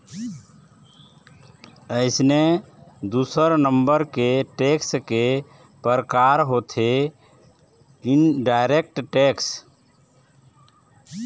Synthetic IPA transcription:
əɪsne | d̪uːsəɾnəmbəɾkeʈekske | pəɾəkaɾɦot̪ʰe | ɪnɖaɪɾek̚ʈʈeks

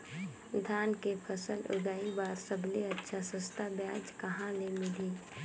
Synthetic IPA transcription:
d̪ʱaːnkepʰəsəlʊ̰ɡaːibaːɾsəbleɐtːʃʰasəst̪abjaːd͡ʒkɐɦãlemɪliː

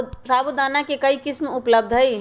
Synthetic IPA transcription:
saːbud̪aːnakekəikɪsmʊpləb̚d̪ʱɦəi

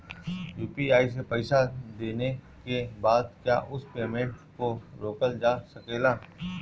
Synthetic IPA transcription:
juːpiaːis̬epɛɪsad̪eːne | kebaːd̪̚kja̰ːʔʊspeːmẽɳʈkoɾoːkəld͡ʒaːsɐkeːlaː

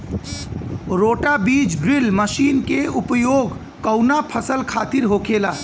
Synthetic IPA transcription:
ɾoːʈabid͡ʒbɾilməʃinkeupjoɡ | kəʊnapʰəsəlkʰaːt̪iɾɦokʰela

